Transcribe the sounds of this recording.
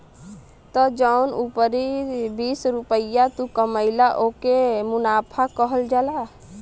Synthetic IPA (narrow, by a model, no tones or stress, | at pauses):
t̪ɔd͡ʒəʊnupəɾibiːsɾupəjat̪ukəməɪlaʔoːkemʊnaːpʰakəɦəld͡ʒala